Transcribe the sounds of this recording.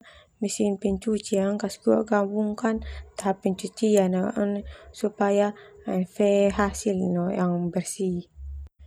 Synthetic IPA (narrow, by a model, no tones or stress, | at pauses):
misinpɛɲt͡ʃut͡ʃiaəŋkaskuwa̰ʔɡambuŋkant̪aɦapːɛɲt͡ʃut͡ʃianaʔənsupajanfɛɦasilnɔjaŋbərsi